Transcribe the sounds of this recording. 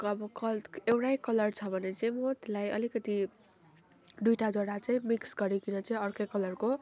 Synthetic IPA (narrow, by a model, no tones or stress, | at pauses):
ʌbʌkʌewʈajkʌlʌrt͡sʰʌbʱʌnet͡saĩmot̪lajʔʌ̰likʌt̪i | d̪ujʈad͡zoɽat͡saĩmiksɡʌɾikinʌt͡saĩʌrkʌkʌlʌrko